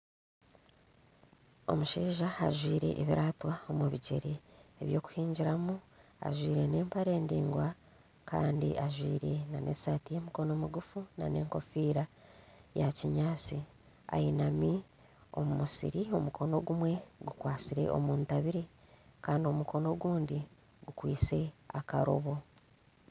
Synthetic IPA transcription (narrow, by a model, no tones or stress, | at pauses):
o̞̰muʃiːʒaa̰ʒwiːɾe̞̰ʔːβiɾaːtwaomuβiɟe̞̰ɾeːβjo̞ːku̥hiːɲɟiɾamu | a̰ʒwiːɾe̞ne̞ːmpaɾeːndiːŋɡwa | ka̰ːndḭʔaʒwiːɾe̞nanʔe̞̰saːtije̞ːmiko̞nomuɡufuna̰ne̞ːŋko̞fiːɾajaciɲaːt͡si | a̰jinami | o̞̰mumusḭɾio̞mukʰo̞no̞ɡumwe̞ɡukwaːt͡siɾe̞̰ʔo̞̰muːntaβiɾe̞kaːndio̞mukʰo̞no̞ɡuːndi | ɡukwiːt͡se̞akaɾo̰βo̞